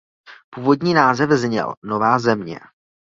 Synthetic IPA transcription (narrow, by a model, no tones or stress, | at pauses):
puːvo̞dɲiːnaːzɛvzɲɛ̰lno̞vaːzɛmɲɛ̰